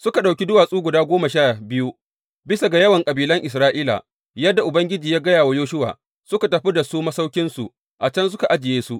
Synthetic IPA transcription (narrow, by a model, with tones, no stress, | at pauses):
sʊ˦ka˨ɗa˨wkʲi˦dʊ˦waː˨sʼuː˦ɡʷʊ˨daː˦ɡʷoː˦ma˨ʃaː˦˨bɪ˦ju˦ | bɪ˦sa˨ɡa˨jɐ˦wɐ˨ŋkʼɐ˨biː˨lɐ˦ŋʔɪ˨s̬ɾaː˦ʔiː˦la̰˨ | jɐ˦dːa˨ʔʊ˨bɐ˦ŋɡʲɪ˦d͡ʒiː˨jaː˦ɡɐ˦jaː˨wa˦joː˦ʃʊ˦wa̰ː˨ | sʊ˦ka˨tɐ˨ɸi˦da˨suː˦mɐ˦sa˦wkʲɪ˦nsṵ˨ | ʔa˨t͡ʃɐ˦ns̬ʊ˦ka˨ʔa˦d͡ʒɪ˨jeː˦su˦ʔ